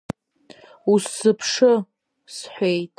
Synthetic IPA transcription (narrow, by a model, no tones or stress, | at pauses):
usːɨpʰʂɨ | sħʷejtʼ